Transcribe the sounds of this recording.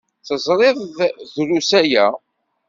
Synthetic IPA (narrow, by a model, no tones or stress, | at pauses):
θəzˤɾˤeðˤðɾusæjæ